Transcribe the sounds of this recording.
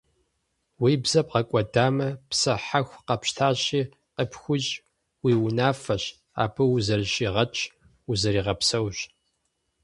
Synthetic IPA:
wiːbzɐp̚qɐkʷʼɔdaːmɐpsɐħaxʷqɐpɕtʰaːɕiː | qəpʰxʷʊɕʼ | wiːwʊnaːfɐɕ | a̰ːpʰɨwʊzɐrɕiːʁɐt͡ʃʼʰ | ʊzɐɾiːʁɐpsɐwɕ

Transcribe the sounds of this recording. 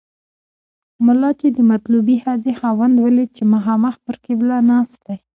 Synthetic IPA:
mʊlɑt͡ʃed̪əmat̪lubihɑzexɑwand̪wəlet͡ʃemaɦɑmaxpəɾkeblɑnɑst̪aj

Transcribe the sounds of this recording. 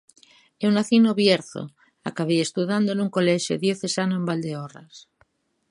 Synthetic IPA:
eunaθinoβjeɾθo̰ | a̰kaβeest̪uðand̪oenuŋkoleʃjo̰ðjoθesanoembald̪eoras

